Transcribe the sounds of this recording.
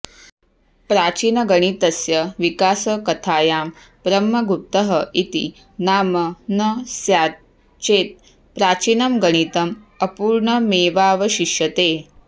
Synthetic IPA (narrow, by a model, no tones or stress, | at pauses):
pɾaːt͡ʃiːnɐɡɐɽ̃it̪ɐsjɐʋikaːsɐkɐt̪ʰaːjaːm | pɾɐmːɐɡup̚t̪ɐɦɐʔit̪ḭ | naːmɐnɐsja | t͡ʃeːt̪̚ | pɾaːt͡ʃiːnɐmɡɐɽ̃it̪ɐm | ɐpuːɾɳɐmeːʋaːʋɐɕiʃjɐt̪eː